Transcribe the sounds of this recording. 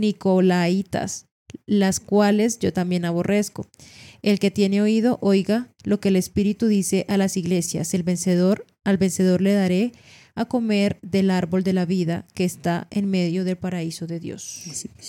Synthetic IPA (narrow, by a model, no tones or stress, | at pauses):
nikolait̪a̰s | laskwale̞zʝo̞t̪ambje̞naβo̞rʔe̞sko̞̰elke̞t̪je̞ne̞o̞iðo̞ʔo̞jɣalo̞ke̞ːle̞spiɾit̪uðise̞ʔalasiɣle̞sja̰selβenseðoɾ | alβe̞nse̞ðo̞ɾle̞ðaɾe̞ | ako̞me̞ɾðe̞laɾβo̞ld̪e̞laβiðake̞ːst̪aʔenme̞ðjo̞ðe̞lpaɾaiso̞ðe̞ðjo̞̰s